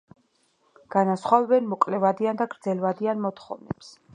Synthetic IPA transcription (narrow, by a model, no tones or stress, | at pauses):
ɡ̥anasχwavɛbɛnmɔkʼlɛvad̪iand̪aɡɾd̪zɛlvad̪ianmɔt̪χɔ̰vnɛps